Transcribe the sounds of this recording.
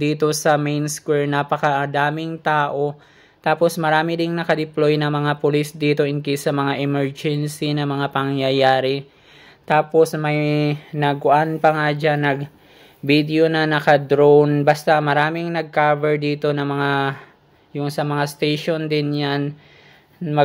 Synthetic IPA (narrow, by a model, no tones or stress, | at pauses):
d̪iːt̪o̞sɐmejnskwɛɹnapɐkɐʔɐd̪aːmɪŋt̪aːʔo̞ | t̪aːpo̞smɐɾaːmɪdɪŋnɐkɐd̪ɪplojnɐmɐŋapʊlisd̪iːt̪o̞ʔɪŋkisɐmɐŋaʔɛmɛɹd͡ʒɛnsinɐmɐŋapɐŋjɐjaːɾɪ | t̪aːpo̞smɐjnɐɡ̚kʊʔanpɐŋad͡ʒanɐɡ | bid̪eo̞nɐnɐkɐd̪ɾownbɐst̪amɐɾaːmɪŋnɐɡ̚kavɛɹd̪iːt̪o̞nɐmɐŋa | jʊŋsɐmɐŋast̪ejʃo̞nd̪ɪnjan | mɐ